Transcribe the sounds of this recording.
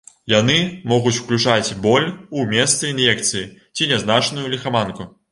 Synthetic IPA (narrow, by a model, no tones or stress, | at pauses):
janɨmɔɣut͡sʲw̥klʲut͡ʂat͡sʲbɔlʲumʲɛst̪sɨinjɛkt̪sɨjit͡sʲinʲɛznat͡ʂnujulʲixamanku